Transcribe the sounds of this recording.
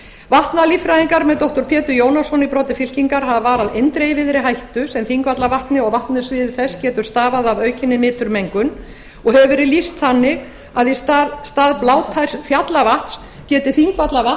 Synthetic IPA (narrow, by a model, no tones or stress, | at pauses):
vaht̪nalifɾajðiŋkaɾmɛðt̪ɔwht̪ɔɾpʰjɛːt̪ʏjoːwnasɔnipɾɔːt̪ɪfɪl̥ciŋkaɾ̥havavaːɾaðejnt̪ɾejvɪðɾɪɦajht̪ʏsɛmθiŋkvat̪lavaht̪nɪɔɣvaht̪nasvɪːðʏθɛscɛːt̪ʏɾ̥st̪aːvaðavœɥcɪnːɪnɪːt̪ʏɾmejŋkʏn | ɔɣhɛvɪɾɪlist̪θanːɪɣ | aðist̪ast̪aːðplaːwt̪ʰajsfjat̪lavaht̪s | cɛːt̪ɪθiŋkvat̪lava